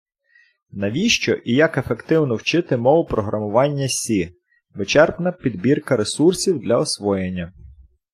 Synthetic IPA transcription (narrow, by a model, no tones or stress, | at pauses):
nɐʋʲiʃt͡ʃɔʔijɐke̞fekt̪ɪwnɔwt͡ʃɪt̪ɪmɔʋʊpɾɔɦɾʔɐmʊʋɑnʲːɐsʲi | ʋɪt͡ʃɛrpnɐpʲid̪bʲirkɐɾesursʲiwd̪lʲɐɔsʋɔjenʲːɐ